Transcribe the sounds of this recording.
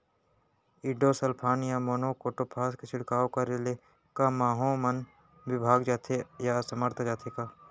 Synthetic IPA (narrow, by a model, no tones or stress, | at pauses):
ɪɖoːsəlpʰaːnjamoːnoːkoːʈoːpʰaːskesɪɽkaːokaɾele | kamaːɦomən | ʋɪbʱaːɡd͡ʒaːt̪ʰejasəməɾt̪ʰd͡ʒaːt̪ʰekaː